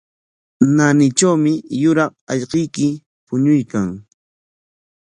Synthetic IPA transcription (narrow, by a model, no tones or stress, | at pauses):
nanɪt͡ʃawmɪjʊɾɑqɑʎqɪjkɪ | pʊɲʊjkaŋ